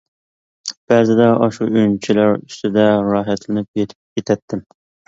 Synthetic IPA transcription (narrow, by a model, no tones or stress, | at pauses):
b̥æːzɪd̪ɛʔɑʃuyjnt͡ʃʰilæɾyst̪ɪd̪ɛɾɑːɦæt̪lɪnɪp̚jet̪ʰɪ̥p̚jet̪ʰɛt̪ʰːɪm